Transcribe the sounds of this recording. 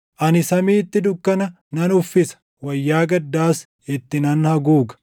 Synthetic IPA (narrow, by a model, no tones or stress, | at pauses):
ʔɐnɪsɐmiːt̪ːɪd̪ʊkːɐnɐ | nɐnʊfːɪsɐ̥ | wɐjːaːɡɐd̪ːaːs | ɪt̪ːɪnɐnhɐɡuːɡɐ̥